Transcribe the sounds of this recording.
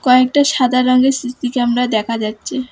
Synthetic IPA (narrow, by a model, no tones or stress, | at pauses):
kɔek̚ʈaʃad̪aɾɔŋɡesɾit̪ikɛmɾaed̪ɛkʰad͡ʑatːɕʰe